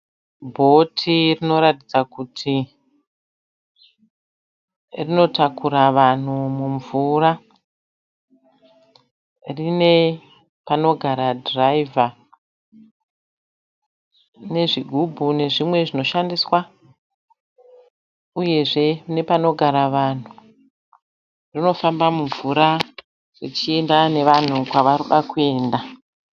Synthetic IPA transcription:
bʱo̞tʰirino̞ɾatid͡zakutʰi | rino̞takuɾaʋan̤umuɱvuɾa | rine̞ | pano̞ɡʱaɾadraiva | ne̞ʐiɡʱubʱune̞ʐimwe̞ʐino̞ʃandiswa | uje̞ʐe̞ne̞pano̞ɡʱaɾaʋan̤u | rino̞fambamuɱvuɾa | rit͡ʃie̞ndane̞ʋan̤ukwaʋaɾuɗakue̞ːnda

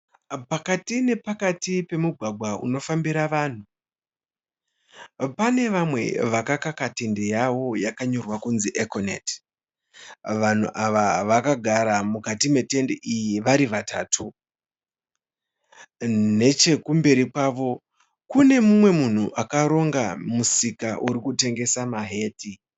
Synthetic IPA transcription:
pakatine̞pakatipe̞muɡʱwaɡʱwaʔṵno̞fambiɾaʋaːn̤u | pane̞ʋamwe̞̰ʋakakakate̞nde̞jawo̞jakaɲo̞rwakunziʔekonet | ʋan̤ṵʔaʋaʋakaɡʱaɾamukatime̞te̞ndeʔijiʋaɾiʋataːtʰu | ne̞t͡ʃe̞kumbe̞ɾikwaːʋo̞ | kune̞mumwe̞mun̤uʔakaɾo̞ŋɡamusikaʔuɾikute̞ŋɡe̞samaɦe̞ːti

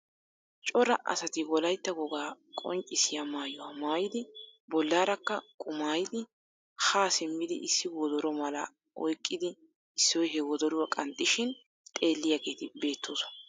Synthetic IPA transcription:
t͡ʃʼɔɾɐʔɐ̰sɐt̪ɪwɔlɐjt̪ːɐɡɔɡaː | kʼɔ̰ŋt͡ʃʼːɪsɪjamaːjɔwɐmaːjɪd̪ɪbɔlːaːɾɐkːɐkʼʊmaːjɪd̪ɪ | haːsɪmːɪd̪ɪ̰ʔɪsːɪwɔd̪ɔɾɔmɐlɐ | ɔjkʼːɪd̪ɪ | ɪsːɔjɦɛwɔd̪ɔɾʊwɐkʼɐnt̪ʼːɪʃɪn | t̪ʼe̞ːlːɪjaɡe̞ːt̪ɪbe̞ːt̪ːoːsɔ̥ɐ

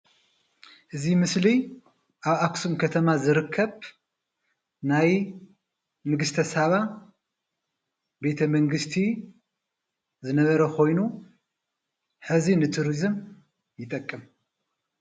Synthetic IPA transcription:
ʔɨzimɨsli | ʔaβaksumkʰɐt̪ʰɐmazɨɾɨkʰːɐβ | naj | nɨɡɨst̪ʰɐsaβa | be̞t̪ʰɐmɐŋɡɨst̪ʰi | zɨnɐβɐɾɐkʰo̞jnu | ħɨzinɨt̪ʰuɾizɨm | jɪt̪ʼɐkʼːɨm

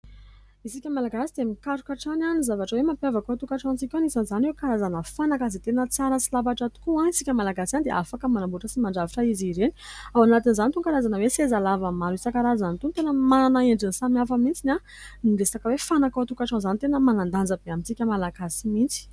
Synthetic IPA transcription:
isikʲəmalaɡasid̪emikaɾukaʈ͡ʂananizavaʈ͡ʂəwemapjavakoat̪ukaʈ͡ʂãnt͡sikʲanisanzanewkaɾazanəfanakazit̪enət͡saɾəsilavaʈ͡ʂat̪u̥kuãisikʲəmalaɡasanid̪eʔafakəmanambuʈ͡ʂəsimaɳɖ͡ʐaviʈ͡ʂaiziɾeniawanat̪inzanit̪uŋkaɾazanəwesezalavəmaɾuisakaɾazanit̪unt̪enəmanaeɳɖ͡ʐinisamiafəmint͡sina | niɾesakəwefanakaat̪ukaʈ͡ʂãnzanit̪enəmanand̪and͡zəbeamit͡sikʲəmalaɡasimint͡si̥

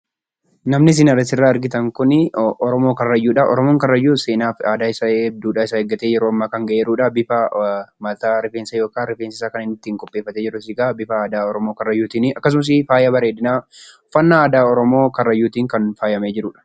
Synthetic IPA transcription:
nɐmnɪs̬ɪnɐrːɐsɪrːaːɐɾɡɪt̪ɐŋkʊnɪʔɔɾɔmo̞ːkɐrɐjːuːᶑɐʔɔ̰ɾɔmoːŋkɐrːɐjːuːseːnaːfaːd̪aːɪsɐeb̚d̪uːᶑaːɪsaɛɡɐt̪eːd͡ʒɪɾʊɐmːaːkɐŋɡɐʔeːɾuːᶑɐbɪfɐmɐt̪aːɾɪfeːnsɐjoːkaːnɾɪfeːnsɪsaːkɐnɪnɪt̪ːiːŋkʼɔpʼːeːfːɐt̪ed͡ʒɪɾʊs̬ɪɡaːbɪfɐaːd̪aːɔɾɔmoːkɐrɐjːuːt̪iːnɪɐkːɐs̬ʊmɐs̬ɪfaːjɐbɐɾeːd̪ɪnaː | fɐnːaaːd̪aːɔɾɔmo̞ːkɐrːɐjːuːt̪iːŋkɐnfaːjɐmeːd͡ʒɪɾʊːᶑɐ̥

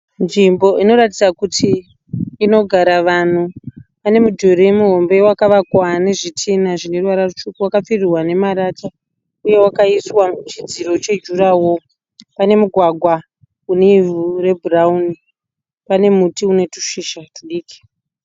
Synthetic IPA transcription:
nʐimbo̞ʔino̞ɾatid͡zakutʰiː | no̞ɡʱaɾaʋan̤uʋane̞mudʱuɾemuɦo̞mbe̞wakaʋakwane̞ʐitʰinaʐine̞ruwaɾarut͡ʃukuwakap͡firirwane̞maɾata | uje̞wakaiswat͡ʃid͡ziɾo̞t͡ʃe̞d͡ʒuɾawo̞ | pane̞muɡʱwaɡʱwa | uneivure̞bʱurauni | pane̞mutiune̞tu̥ʂiʃatuɗiːki̥

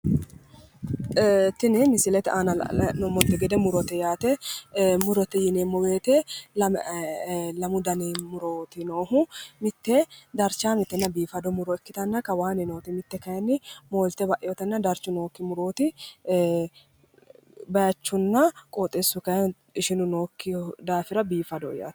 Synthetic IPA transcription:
t̪ɪnɪmɪsɪlɛt̪ɛanɐ̰nɔmɔt̪ːɛɡɛd̪ɛmʊɾɔt̪ɛjaːt̪ɛmʊɾɔt̪ɛjɪneːmːɔbeːt̪ɛl | lɐmʊd̪ɐneːmʊɾoːt̪ɪnoːɦʊmɪt̪ːɛd̪ɐɾt͡ʃaːmɪt̪ːɛnːɐbiːfɐd̪ɔmʊɾɔɛkːɪt̪ɐnːɐkɐwaːnɛnoːt̪ɪmɪt̪ːɛkɐjɐnːɪmoːlt̪ɛbɐʔɛjɔt̪ɛnːɐd̪ɐɾt͡ʃːʊno̞ːkːɪmʊɾo̞ːt̪ɪ | bɐjɐt͡ʃːʊnːɐkʼoːt̪ʼɛsːʊkɐjɛ | ɪʃɪnʊnoːkːɪd̪aːfɪɾɐbiːfɐd̪ɔja̰ːt̪

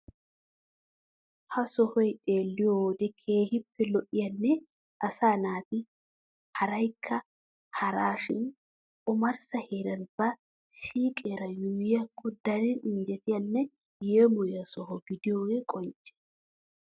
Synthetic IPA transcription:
hɐsɔhɔjt̪ʼeːlːɪjod̪ɛkʰeːhɪpːɛlɔʔɪjɐnːɛ | ʔɐsaːnaːt̪ɪ | hɐɾɐjkʰːɐ | hɐɾaːʃɪn | ʊmɐɾsɐheːɾɐnb̥ɐ | siːkʼeːɾɐjuːjɐkːʊd̪ɐɾinɪnd͡ʒɛt̪ɪjɐnːɛ | jeːmʊjɐsɔhɔɡɪd̪ɪjoːɛkʼɔnt͡ʃʼɛ̥

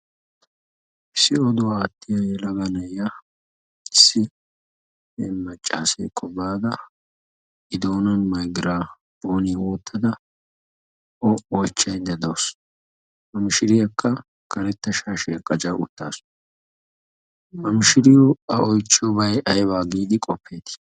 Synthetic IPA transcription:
ʔɪsːɪɔd̪ɔwaːt̪ːɪjɐjɛlɐɡɐnɐjjɐ | ɪsːɪ | ɛmɐt͡ʃʼːa̰ːsḛːkʼʰːɔbaːd̪ɐ | ʔɪd̪oːnɐnmɐjɡɪɾaː | b̥oːniwoːt̪ʰːɐd̪ɐ | ʔɔɔjt͡ʃːɐjnd̪ɛd̪ɐws | mɐmɪʃɪɾɪjɐkːɐ | kʰɐɾɛt̪ːɐʃaːʃeːkʼːɐt͡ʃʼɐwʊ̰t̪ːa̰ːsʊ̥ | mɐmɪʃɪɾɪjɔɐɔjt͡ʃːɪɔbɐjɐjbaːɡiːd̪ɪkʼɔpːe̞ːt̪

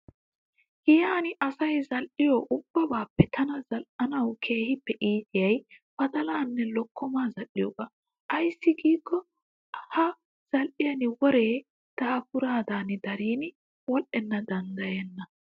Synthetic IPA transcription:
hɪjaːnɪʔɐsɐjzɐlʔɪjɔːʔʊb̥ːɐbaːpːɛt̪ʰɐnɐzɐlʔɐnɐwkʰe̞ːhɪpːɛʔiːt̪ɪjɐjbɐd̪ɐlaːnːɛlɔkʰːɔmaːzɐlɪjɔkɐ | ʔɐjsːɪɡiːkːɔ | hɐ | z̥ɐlʔɪjɐnɪwɔɾeː | t̪ɐhɐpʊɾaːd̪aːnɪd̪ɐɾiːn | wɔlʔɛnːɐd̪ɐnd̪ɐjenːɐ

